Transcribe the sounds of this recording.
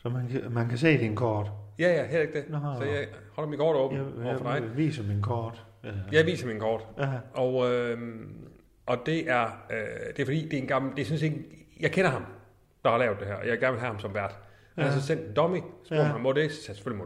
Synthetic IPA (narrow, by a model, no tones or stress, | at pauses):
sɒmænmænkʰæse̝̰ːd̥inkʰɒːd̥jæjæɦel̰e̝ɡ̥̚d̥esɒjɑɪhɒ̽l̰ɑmikʰɒ̰ːɾ̥ɔ̽ːbm̩ɒfɒd̥ɑ̈ɪʋḭːsəminkʰɔːd̥ | jɑɪʋḭːsɑminkʰɒ̰ːd̥ʔɒʊø | ʔɒ̽d̥e̝ʔæɐød̥e̝æfɒ̽d̥ḭːd̥e̝enɡ̥ɑ̈m̩d̥e̝synse̝ɡ̥jɑ̈ɪkʰenɐɦɑ̈m | d̥ɑ̈hɑ̈lɛːʊd̥e̝ɦæɐ̰ʔɒjɑ̈ɪɡ̥æɐnʋelɦæhɑmsɒ̽mʋæɐ̰d̥ | hænæɐs̬ɔ̽sen̰d̥d̥ɒ̽misb̥oɐ̰mhɑmodesæ̥se̥følimo